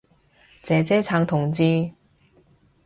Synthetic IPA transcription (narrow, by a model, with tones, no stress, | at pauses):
t͡sɛː˨˧t͡sɛː˥t͡sʰaː˨˧ŋt̪ʰʊ˨˩ŋt͡siː˧